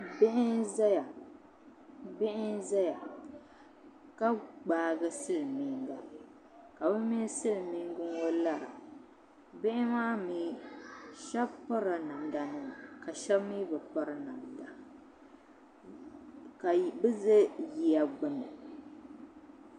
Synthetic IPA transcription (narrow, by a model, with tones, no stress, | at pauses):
bɪ˦ʔɪ˦nza˦ja˨ | bɪ˦ʔɪ˦nza˦ja˨ | ka˦ɡ͡baː˨˦˨ɡɨ˦sɨ˦lmi˨ŋɡa˨ | ka˨bɨ˦mi˦sɨ˦lmi˦ŋ˦ɡɨ˦ŋwo˦la˦˨ɾa̰˨ | bɪ˦ʔɪ˦maː˦mi˦ | ʃɛ˦bpa˦ɾa˨na˨m˨da˨nɨ˦˨ka˨ʃɛ˦bmi˦bɨ˨k͡pa˦ɾa˨na˨n˨da˨ | ka˨bɨ˦ze˦ji˨a˨ɡ͡bʊ˦nɨ˨